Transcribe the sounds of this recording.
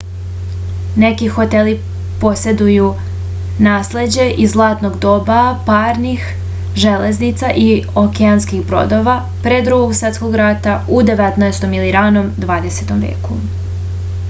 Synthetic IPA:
ne̞kixo̞t̪e̞li | po̞se̞d̪uju | naːsle̞d͡ʑe̞ʔizzlˠaːt̪no̞ɡd̪o̞ːbapaːɾnix | ʒele̞znit̪saʔiokeanskixbɾo̰d̪o̞ʋa | pɾed̪ɾuɡoɡsʋet̪sko̞ɡɾat̪aud̪e̞ʋet̪naest̪o̞miliɾanomd̪ʋaːd̪e̞set̪o̞mvjḛːku

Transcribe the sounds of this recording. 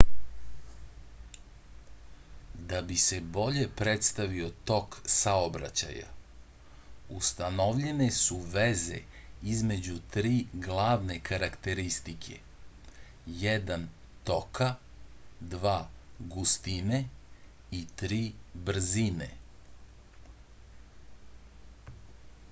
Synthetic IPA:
d̪abise̞bo̞ʎe̞pɾet̪st̪aʋio̞t̪o̞ksaobɾa̰t͡ɕa̰ja̰ | ust̪anoʋʎene̞suʋeze̞̰izme̞d͡ʑut̪ɾiːɡlˠaːʋne̞kaɾakt̪e̞ɾist̪ikʰe̞̰ | jɛd̪an | t̪o̞kʰa | d̪ʋaːɡust̪ine | it̪ɾiːbr̩zinḛ

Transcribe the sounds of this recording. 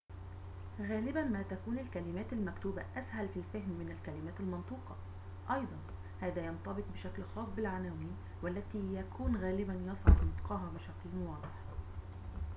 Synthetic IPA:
ɣæːlɪbænmæːt̪ækuːnɪlkælɪmæːt̪almækt̪uːbæʔæshælfilfaɦmːɪnælkælɪmæːt̪almɑnt̪ˤuːqɑ | ʔɑjd̪ˤɑn | hæːðæːjɑnt̪ɑbɪq̚bɪʃæklxɑːsˤbɪlʕanæːwiːn | wælːæt̪iːjækʰuːnɣæːlɪbænjɑsˤʕɑ̰d̪nɑt̪qʰɑːɦɑbɪʃæklnwɑːd̪ˤeħ

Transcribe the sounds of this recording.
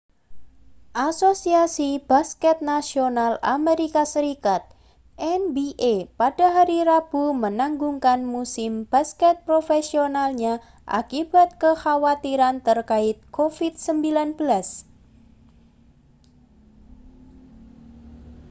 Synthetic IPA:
ʔasosiasib̥askɛt̪̚nasionala̰meɾikasəɾikat̪̚ | ʔɛnbiʔepad̥a̤ɦaɾiɾab̥umənaŋɡuŋkanmusɪmb̥askɛt̪̚pɾofesionalɲa | ʔa̰kib̥a̤t̪̚kəxawat̪iɾant̪ərkaɪt̪̚kofid̪səmbilanb̥əlas

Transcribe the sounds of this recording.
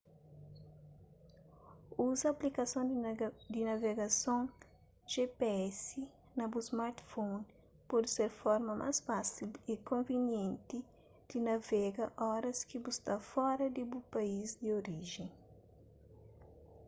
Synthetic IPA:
uzɐplikɐsõd̪inɐveɡɐsõŋ | ʒ̥epeɛsi | nɐbusmaɾt̪fon | pɔd̪seɾfɔɾmɐmʔa̰sfasilikõviɲjẽnt̪i | d̪̥inɐvɛɡɐʔɔɾɐskibust̪afɔɾɐd̪ibupaizd̪ioɾiʒẽŋ

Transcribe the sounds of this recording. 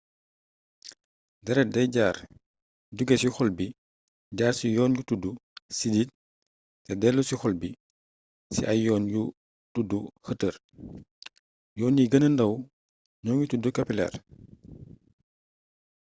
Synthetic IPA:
dɛɾɛdɐjɟaːr | ɟuɡɛsixɔlbi | ɟaːɾsijɔːnjutudusidit̚ | tːɛdɛlːusixɔlbi | sḭʔɐjjɔːnju | tuduhətər | jɔːniɡənəndɐw | ɲɔːnjutudukɐpilɛ̰r

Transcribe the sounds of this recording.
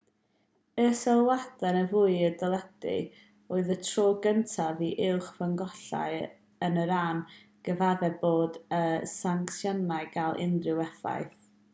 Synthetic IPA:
əsɛlˠwadɛnəvuːɨədɔlˠɛd̥ɪ̰ | oɨðətʰroːɡəntʰaviʔɪlˠχvəŋɡɔɬa̰ɨ | ənəɾaːn | ɡ̥əvaðɛboːdəsaŋksjɔnaɨɡalˠʔɪ̰ndrɪwɛθa̰jθ

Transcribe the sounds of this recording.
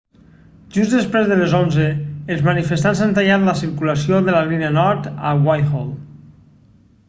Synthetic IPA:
ʒuzðəspɾezðəlezonzəːlˠzmanifəst̪anzant̪aʎat̪ləsiɾkuləsioðələlineənɔɾt̪əwajxɔlˠ

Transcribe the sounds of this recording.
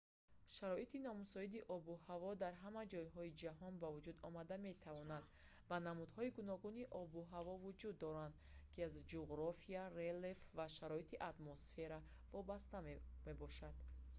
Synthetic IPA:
ʃaɾɔit̪inɔmusɔid̪iʔɔbuhavɔd̪aɾɦamad͡ʒɔjɦɔid͡ʒaɦɔnbavud͡ʒud̪ɔmad̪ame̞t̪ʰavɔnad̪ | vanamud̪hɔiɡunɔɡuniʔɔbuɦavɔvud͡ʒud̪ːɔɾand̪ | kʰiazd͡ʒuɣɾɔfiarelefvaʃaɾɔit̪ʰiʔat̪mɔsfe̞ɾa | vɔbast̪ame̞bɔʃad̪̥

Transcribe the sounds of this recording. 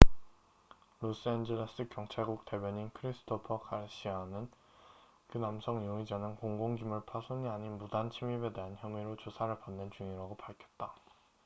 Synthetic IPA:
los͈ɯend͡ʑeɭes͈ɯkjʌŋt͡ɕʰaɭɡuk̚te̞bjʌɲinkʰɯɾisʰɯ̥tʰopʰʌkʰaɭɕ͈ianɯn | kɯnamsʰʌŋjoŋid͡ʑanɯnkoŋɡoŋd͡ʑumɯɭpʰasʰoɲiaɲinbudant͡ɕʰimibe̞de̞ɦançjʌŋiɾot͡ɕosʰaɾɯɭpanːɯnt͡ɕuŋiɾaɡopaɭkʰjʌt̚t͈a

